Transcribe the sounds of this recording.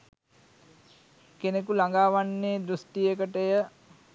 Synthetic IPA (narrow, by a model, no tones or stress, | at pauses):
kenek̬ulaŋɡaːʋanːeːd̪ɾusʈijəkəʈəjə